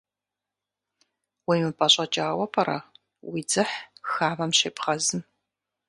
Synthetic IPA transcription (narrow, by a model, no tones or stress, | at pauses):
wijmɨpʰʼɐɕʼɐt͡ʃʼaːwɐpʰʼɐɾɐ̰ | wid͡zɨħxaːmɐmɕeːpχɐzɨm